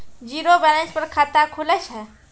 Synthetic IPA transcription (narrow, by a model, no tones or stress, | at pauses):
d͡ʒiɾobɛnãspəɾkʰat̪akʰulɛt͡ʃʰɛ